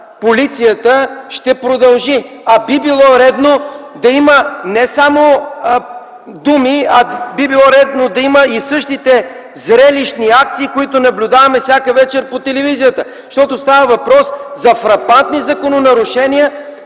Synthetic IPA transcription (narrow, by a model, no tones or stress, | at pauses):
polit̪sijət̪əʃt̪ɛpɾod̪ɐlˠʒi | ɐbibilˠɔɾɛd̪no | d̪ɐimənɛsamo | d̪umiɐbibilˠɔɾɛd̪nod̪ɐiməisɤʃt̪it̪ɛ | zɾɛliʃniak̚t̪siːkoit̪ʊnɐblʲʊd̪avɐmɛfsʲakəvɛt͡ʃɛɾpot̪ɛlɛvizijət̪ə | ʃt̪ɔt̪ost̪avəvɐpɾɔszɐfɾɐpant̪nizɐkononɐɾʊʃɛniə